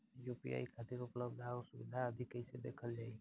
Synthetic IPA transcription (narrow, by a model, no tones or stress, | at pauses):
jupḭa̰ikʰat̪iɾupləbd̪ʱaosubid̪ʱaəd̪ʱikəɪsed̪ḛkʰəld͡ʒaːi